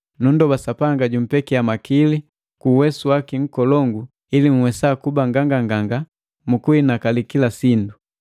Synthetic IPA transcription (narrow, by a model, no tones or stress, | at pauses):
nun̩dɔbasapaŋɡaɟum̩pɛkiamakili | kuːwɛsuwakiŋ̩kɔlɔŋɡu | ilimuwɛsakubaŋɡaŋɡaŋɡaŋɡa | mukuinakalikilasindu